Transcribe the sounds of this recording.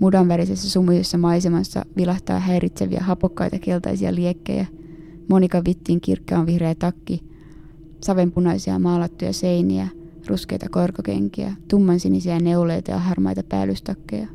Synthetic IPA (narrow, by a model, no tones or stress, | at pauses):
mudɑnʋæɾisesːæsumːusesːɑmɑjsemɑsːɑ̰ʋilɑht̪ɑ̰ːɦæjɾʔit̪sæʋḭæ̰ɦɑpokːɑjt̪ɑke̞lt̪ɑ̰jsiɑ̰liekːḛjæ | mo̞nikɑʋit̪ːiŋkḭrkːeːnʋihrejːt̪ɑkːi | sɑʋe̞mpunɑjsiɑ̰mɑːlɑt̪ːujɑ̰se̞jniæ | rʔuske̞̰jt̪ɑkorkok̟e̞̰ŋkiæ̰t̪umːɑnsinisiæneulejt̪ɑjɑɑɦɑrmɑ̰jt̪ɑpæ̰ːlːyst̪ɑkːḛjɑ